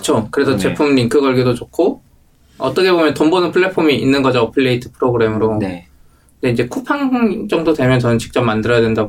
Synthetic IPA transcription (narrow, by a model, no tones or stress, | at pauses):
kɯ̥t͡ɕʰokɯɾe̞sʰʌt͡ɕe̞pʰumniŋkʰɯɡʌɭɡidot͡ɕokʰo | ʌt͈ʌkʰe̞bomjʌntombonɯnpʰɯɭːe̞pʰomiinːɯnɡʌd͡ʑoːpʰɯɭːe̞itʰɯ̥pʰɯɾoɡɯɾe̞mɯɾo | ɯnde̞ind͡ʑe̞kʰupʰaŋd͡ʑʌŋdodwe̞mjʌnt͡ɕʌnɯnt͡ɕi̥k̚t͡ɕ͈ʌmandɯɾʌjadwe̞nda